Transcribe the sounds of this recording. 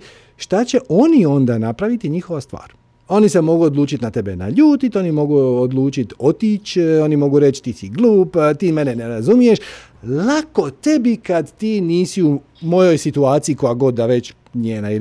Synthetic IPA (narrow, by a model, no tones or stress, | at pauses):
ʃt̪at͡ɕe̞ʔo̞nio̞nd̪anapɾaʋit̪iɲixo̞ʋast̪ʋa̰ːɾ | o̞nisemo̞ɡuod̪luːt͡ʃit̪nat̪e̞bena̰ʎuːt̪it̪o̞nimo̞ɡuod̪lˠuːt͡ʃit̪o̞t̪iːt͡ɕo̞nimo̞ɡuɾe̞t͡ʃt̪isiɡluːpt̪iːme̞neneɾazumije̞ʃ | lako̞t̪e̞bikad̪t̪iːniːsiu | mo̞jo̞jsit̪uaːt̪sijikojaɡo̞d̪ːaʋe̞t͡ɕ | ɲeːnai